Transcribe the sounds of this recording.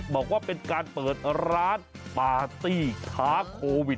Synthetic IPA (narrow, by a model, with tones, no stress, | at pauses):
bɔː˨˩k̚waː˥˩pe˧nkaː˧npɤː˨˩t̪̚ɾaː˦˥n | paː˨˩t̪iː˧˩kʰaː˦˥kʰoː˧wi˨˩